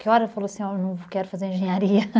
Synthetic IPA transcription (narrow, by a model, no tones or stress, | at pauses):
kewɔɾɐfɐlˠoɐsĩawnovukɛɾufɐzeɾẽʒɨɲɐɾiɐ